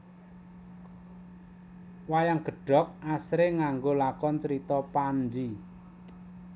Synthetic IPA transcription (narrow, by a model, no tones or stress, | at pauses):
wajaŋɡ̥ə̤ɖ̥ɔ̤k̚asɾeŋaŋɡolakɔnt͡ʃəɾit̪ɔpand͡ʒi